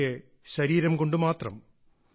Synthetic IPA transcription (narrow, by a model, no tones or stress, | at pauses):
e | ɕɐɾiːɾɐmko̞ɳɖɨmaːt̪rɐ̰m